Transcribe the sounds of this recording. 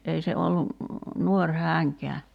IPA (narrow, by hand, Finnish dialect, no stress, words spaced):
ei se olːu nuorʲ hæːŋkeæ